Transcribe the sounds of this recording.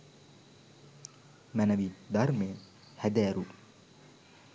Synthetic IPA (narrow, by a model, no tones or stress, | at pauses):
mænɐʋid̪aɾmeː | hæd̪ɛːɾu